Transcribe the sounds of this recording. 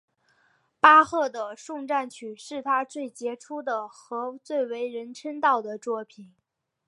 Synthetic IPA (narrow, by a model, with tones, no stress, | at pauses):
pa˥xɤ˥˩d̪ə˩ʂʊ˥˧ŋʈ͡ʂa˥˩nt͡ɕʰy˨˩ʂɻ̩˥˩t̪ʰa˥t͡swe˥˩ɪt͡ɕjɛ˧˥ʈ͡ʂʰu˥d̪ə˨xɤ˧˥t͡swe˥˩ɪwe˧˥ɪɻə˧˥nʈ͡ʂʰə˥nt̪ɑ˥˩ʊd̪ə˩t͡swɔ˥˩pʰi˨˩˦n